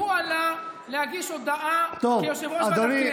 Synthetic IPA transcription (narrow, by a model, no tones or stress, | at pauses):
ualaleaɡiʃod̪aʔat̪ojoʃevoad̪oɾi